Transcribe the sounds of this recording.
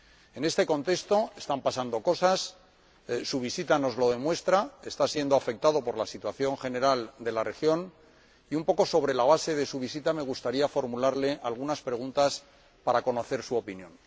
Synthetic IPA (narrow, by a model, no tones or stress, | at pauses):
e̞ne̞st̪e̞ko̞nt̪e̞st̪o̞e̞st̪ampasand̪o̞ko̞sas | suβ̞isit̪ano̞zlo̞ð̞e̞mwe̞st̪ɾae̞st̪asje̞nd̪oafe̞k̚t̪að̞o̞po̞ɾlasit̪waθjo̞ŋxe̞ne̞ɾald̪e̞lare̞xjo̞n | iumpo̞ko̞so̞βɾe̞laβ̞ase̞ðe̞suβisit̪ame̞ɣ̞ust̪aɾiafo̞ɾmulaɾle̞ʔalɣunaspɾe̞ɣ̞unt̪as | paɾako̞no̞θe̞ɾsuo̞pinjõ̞n